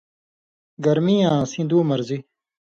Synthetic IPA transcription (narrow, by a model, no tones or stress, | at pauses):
ɡɐɾmiːãːsĩːd̪uːmɐɾzi